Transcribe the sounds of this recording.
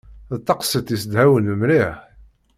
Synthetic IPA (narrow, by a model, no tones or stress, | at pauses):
ðt̪ˤːɑqsət̪isəd̪hæwənəmɾiħ